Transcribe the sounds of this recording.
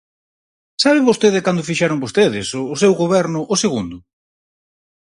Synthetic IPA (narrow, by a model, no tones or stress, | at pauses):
saβ̞ɪβost̪eðɪkand̪ʊfiʃaɾʊŋbost̪eðɪsoːsewɣoβɛɾnʊʔʊseɣund̪ʊ